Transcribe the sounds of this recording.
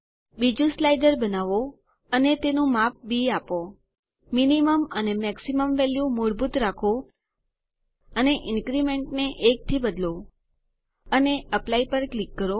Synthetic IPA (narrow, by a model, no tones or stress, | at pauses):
bid͡ʒũslajɖəɾbənaʋo | ənet̪enũmap̚biapo | miniməmənemɛksiməmʋɛljumoɾbut̪ɾakʰo | əneʔɪnkɾimeɳʈneʔek̚t̪ʰibəd̪lo | əneəplaipəɾklikːəɾo